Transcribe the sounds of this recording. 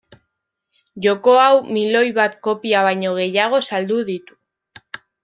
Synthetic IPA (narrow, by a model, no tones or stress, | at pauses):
ʝo̞ko̞awmilo̞jβat̪ko̞piaβ̞ajɲo̞ɣ̞e̞jaɣ̞o̞sald̪uð̞it̪u̥